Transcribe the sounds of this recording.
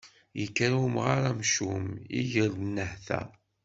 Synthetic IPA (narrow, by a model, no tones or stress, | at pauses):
jəkːæɾumʁaɾæmʃumḭʝəɾnːəhθæ̰